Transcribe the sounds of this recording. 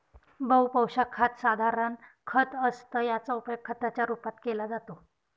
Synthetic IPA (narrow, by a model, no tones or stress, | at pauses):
bəwpəwɕakʰat̪sad̪ʱaɾənkʰət̪əst̪əːjat͡saupjoɡ̚kʰːət̪at͡ɕjaɾupat̪kelad͡zat̪o